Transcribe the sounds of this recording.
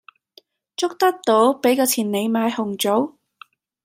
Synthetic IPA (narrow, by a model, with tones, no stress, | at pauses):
t͡sʊ˥k̚t̪ɐ˥k̚t̪o˨˥wpe˨˥jkɔː˧t͡sʰiː˨˩nne˨˧jmaː˨˧jhʊ˨˩ŋt͡so˨˥w